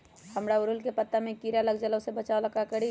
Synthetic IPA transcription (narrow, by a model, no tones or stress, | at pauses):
həmɾauɾulkepət̪ːamekiɾaləɡd͡ʒələsebət͡ʃawlakakəɾi